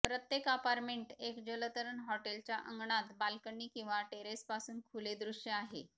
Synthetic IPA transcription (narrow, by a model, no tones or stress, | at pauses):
pɾət̪jekapaɾʈmeɳʈekd͡ʑələt̪əɾəɳɦɔʈelt͡ɕjaʔə̰ŋɡɳat̪balkəɳːiːkĩw̃ʋaʈeɾespasuːnkʰuled̪ɾuʂjəaɦḛ